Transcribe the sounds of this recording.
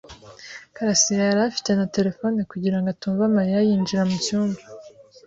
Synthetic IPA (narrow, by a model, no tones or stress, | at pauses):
kaɾasijaaɾafi̥te̞nate̞ɾe̞foːnikuɟiɾaŋɡatuːɱvamaɾijajiːnd͡ʒiɾamucuːmba